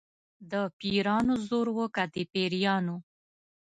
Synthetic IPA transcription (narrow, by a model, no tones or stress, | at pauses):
d̪əpiɾɑnozoɾwəkad̪epeɾijɑno